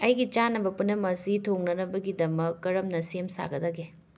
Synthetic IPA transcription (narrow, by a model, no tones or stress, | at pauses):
ɐjɡit͡ʃanɐbɐpunːɐmɐsitʰoŋnɐnɐbɐɡidɐmɐkːɐɾɐmnɐsiemsa̰ɡɐdɐɡe